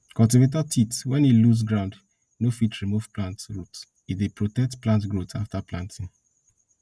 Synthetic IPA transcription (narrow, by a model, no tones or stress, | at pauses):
kɔ̃lt̬ivet̬atʰitwɛ̃niluz̬ɡɹãʊnd | nofitɹimuv̥plãntɹot | idepɹotɛk̚tplãntɡɹotʰaftaplãntʰĩŋ